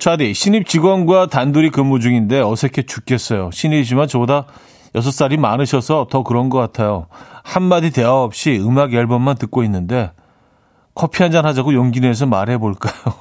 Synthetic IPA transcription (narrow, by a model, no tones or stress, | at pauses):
t͡ɕʰwadiɕʰiɲip̚t͡ɕiɡwʌnɡwatanduɾikɯmːud͡ʑuŋinde̞ʌsʰekʰet͡ɕuk͈ʰe̞s͈ʌjoɕʰinid͡ʑimant͡ɕʌboda | jʌs̬ʰʌs͈aɾimanɯɕʰʌsʰʌtʌkɯɾʌnɡʌk͈atʰajohanmadite̞aʌp̚ɕ͈iɯmaɡeɭbʌnmantɯk̚k͈oinːɯnde̞ | kʰʌpʰiɦand͡ʑanɦad͡ʑaɡojoŋɡine̞s̬ʰʌmaɾɦe̞boɭk͈ajo